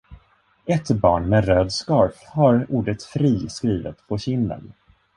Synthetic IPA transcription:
ɛt̪bɑ̰ːɳmɛɾøːd̪skɑɾfhaɾuːɖət̪fɾiːskɾiːvə̰t̪pʰɔɕɪnːə̰n

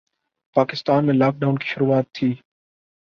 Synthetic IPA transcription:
paːkɪst̪aːnmẽːlaːk̚ɖaːʊnkʰi̥ʃʊɾuːaːt̪ʰːiː

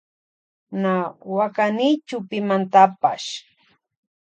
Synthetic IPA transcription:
nawakanɪt͡ʃʊpɪmant̪apaʃ

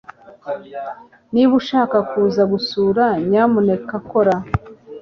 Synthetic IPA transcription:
niβuʃaːkakuːzaɡusuːɾaɲamune̞kako̞ɾa

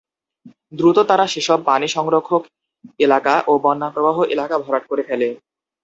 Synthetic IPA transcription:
d̪ɾut̪ot̪aɾaʃeʃɔbpaniʃɔŋɾokʰːok | elakaʔobɔnːapɾobaɦoʔelakabʱɔɾaʈ̚koɾefʰɛle

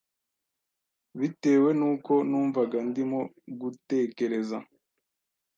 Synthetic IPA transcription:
βite̞ːwe̞nuːko̞nuːɱvaɡandimo | ɡute̞ːke̞ɾe̞za

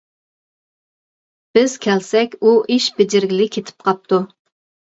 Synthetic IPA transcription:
b̥ɪz̥kʲʰɛlsɛkʲuʔiʃbɪd͡ʒɪɾɡʲɪlɪkʲʰet̪ʰɪ̥p̚qʰɑp̚t̪ʰu

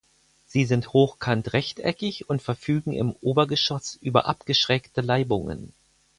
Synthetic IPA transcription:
z̥iːzɪnthoːxkʰantʁɛçtʔɛ̰kɪçʊntfɛɐfyːɡŋ̩ɪ̰mʔoːbɐɡəʃɔsʔyːbɐ̰ʔapɡ̥əʃʁ̥ɛktəlaɪbʊŋə̰n

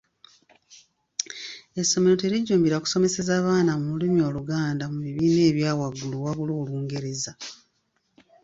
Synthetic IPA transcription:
e̞sːo̞meɾo̞te̞ɾiɟːuːmbiɾaku̥so̞me̞se̞zaːβaːnamumulimio̞ːluɡaːndamuβiβiːne̞ːβjaːwaɡuluwaβuluːluːŋɡe̞ɾe̞za

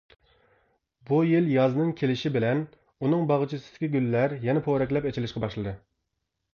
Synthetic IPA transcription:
bujiljɑznɨŋkʲʰelɪʃibɪlɛn | unɨŋbɑʁt͡ʃʰisɪ̥d̪̥ɪ̥kʲiɡʲylːæɾjɛnɛpʰoɾɛkʲlɛpet͡ʃʰɪlɪʃqɑbɑʃlˠɨd̪ɨ

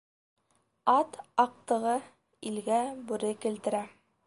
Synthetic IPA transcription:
ɑt̪ɑq̚t̪ɤ̆ʁɤ | ilɡæbʉɾɘkɘ̆lt̪ɘ̆ɾæ

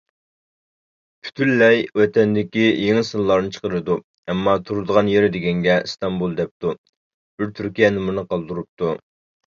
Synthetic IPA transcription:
pʰy̥t̪ʰynlɛjwɛt̪ʰɛnd̪ɪkʲijeŋɪsɨllˠɑɾnɨt͡ʃʰə̥qəɾɨd̪u | ɛmːɑt̪ʰuɾɨd̪əʁɑnjeɾɪd̪ɪɡʲɛŋɡʲɛst̪ɑmbulˠd̪ɛp̚t̪u | b̥ɪɾt̪ʰyɾkʲijɛnɪmunɨqɑlˠd̪uɾup̚t̪ʰu

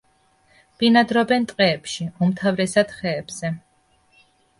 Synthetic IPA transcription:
b̥inad̪ɾɔbɛnt̪ʼqʼɛːpʃiumt̪ʰavɾɛsad̪̥χɛːb̥z̥ɛ

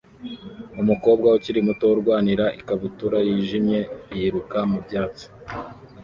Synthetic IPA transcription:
umuko̞ːb̚ɡauciɾimuto̞wuɾɡwaːniɾaʔikaβutuɾajiːʒimɲe̞ijiɾukamubɟaːt͡so̥

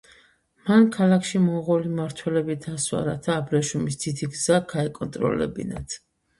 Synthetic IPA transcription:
mankʰalˠakʰʃimɔʁɔlimaɾt̪ʰwɛlɛbid̪aswa̰ɾat̪ʰaːbɾɛʃumisd̪̥id̪iɡzaɡʰaɛkʼɔnt̪ʼɾɔ̰lɛ̰bḭnat̪ʰ

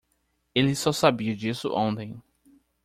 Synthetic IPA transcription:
elɪsɔsabiɐd͡ʒisʊ̰ʔõnt̪ẽj̃

